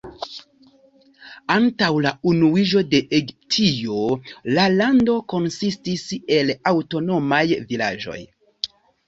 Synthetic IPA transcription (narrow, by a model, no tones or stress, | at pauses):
antawlaunuid͡ʒo̞de̞ʔeɡiptʰio̞lalando̞ko̞nsistise̞lawto̞no̞majvila̰d͡ʒo̞̰j